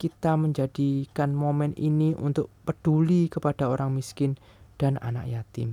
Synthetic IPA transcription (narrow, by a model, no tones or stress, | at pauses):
kit̪aməɲd͡ʒad̥ikanmomɛniniʔṵnt̪ʊʔ̚pəɖ̥ulikəpad̥a̤oɾaŋmiskɪn | d̥a̤na̰na̰kjat̪ɪ̰m